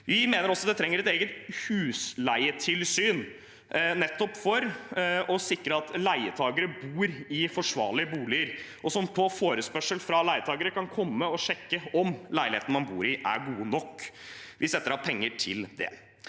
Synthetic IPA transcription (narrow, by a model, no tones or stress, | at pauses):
ʋɪmeːnəɾɔsːɔɑd̪ɛt̪ʰɾɛŋːəɾɛt̪eːɡət̪hʉːslæɪət̪ʰɪlsyːn | nɛt̪ːɔpːfɔɾɔsɪkɾəɑt̪læɪət̪ʰɑːɡəɾəbuːɾɪfɔʂʋɑ̰ːɭɪəbuːlɪəɾʔɔsɔmpʰɔfoːɾəspœʂəlfɾɑlæɪət̪ʰɑːɡəɾəkɑnkʰɔmːəɔʂɛkːəɔmlæɪlɪeːt̪nəmɑnbṵːɾɪʔæ̰ɾɡuːənɔkːʋʔɪsɛt̪ːəɾhɑpʰɛŋːəʈʰɪld̪ɛ̰